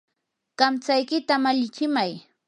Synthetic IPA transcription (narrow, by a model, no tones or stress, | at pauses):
ɢ̥amt͡sajkɪt̪amaʎɪt͡ʃɪmaj